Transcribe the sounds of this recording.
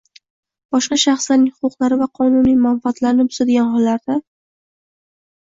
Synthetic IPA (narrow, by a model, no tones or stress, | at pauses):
b̥ɒʃqɑʃaχslaɾnɪŋhʊqʊqlˠaɾɪvaqʰɒnunijmanfat̪laɾɪnɪʊ̥sad̪ɪɡʲanχɒlːaɾd̪a